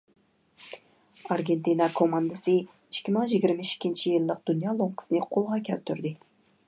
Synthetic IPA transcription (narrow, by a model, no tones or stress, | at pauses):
ɑɾɡʲent̪inɑkʰomɑnd̪ɨsɨ | iʃkʲːimɪŋʒiɡʲiɾmɪʃi̥kʲʰːint͡ʃʰijilˠːəq̚d̪̥unjɑːlˠoɴqʰə̥sɨnɨqʰolˠʁɑkʲʰælt̪ʰyɾd̪ɪ